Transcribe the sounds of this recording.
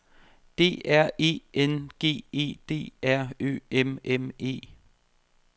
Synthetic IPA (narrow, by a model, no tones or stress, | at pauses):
d̥e̝̰ːʔæɐ̰e̝̰ːenɡ̥e̝̰ːe̝̰ːd̥e̝̰ːæɐ̰ø̰ːememe̝̰ː